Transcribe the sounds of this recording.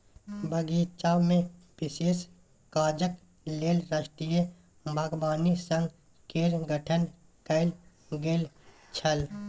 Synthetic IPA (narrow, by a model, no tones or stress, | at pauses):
bəɡiːt͡ʃaːwmẽpɪses | kaːd͡ʒək | leːlɾaːʃʈije | bʱaːɡbaːnisə̃ŋɡ | keːɾɡʱəʈʰən | kəɪl | ɡeːl | t͡ʃʰəl